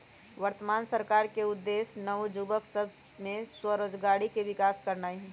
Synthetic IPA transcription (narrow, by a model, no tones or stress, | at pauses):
ʋəɾt̪əmaːnsəɾkaːɾkeʊd̪ːeːsnɐʋod͡ʒuːbəksəb | mẽswəɾoːd͡ʒɡaːɽikeʋɪkaːskɐɾnaːiɦ